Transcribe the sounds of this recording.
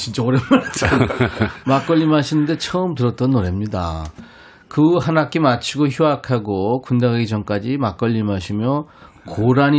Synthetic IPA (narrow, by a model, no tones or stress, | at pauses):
t͡ɕint͡ɕ͈aoɾemmaɾt͡ɕʰa | mak͈ʌʎːimaɕʰinɯnde̞t͡ɕʰʌɯmtɯɾʌt̚t͈ʌnːoɾe̞mɲida̰ | kɯɦanak͈emat͡ɕʰiɡoçjuakʰaɡokundaɡaid͡ʑʌŋk͈ad͡ʑimak͈ʌʎːimaɕʰimjʌ | koɾaɲi